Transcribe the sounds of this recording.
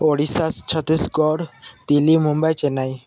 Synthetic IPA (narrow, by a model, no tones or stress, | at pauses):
oɽisast͡ɕʰət̪isɡɔɽt̪ilimumbəjt͡ɕenai